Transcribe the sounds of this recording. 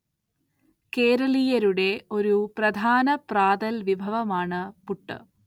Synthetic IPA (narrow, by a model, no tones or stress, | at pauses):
ke̞ːɾɐɭijɐɾuɽe̞o̞ɾuprɐd̪ʱaːnɐpraːd̪ɐlʋibʱɐʋɐmaːɳɨpuʈːɨ̰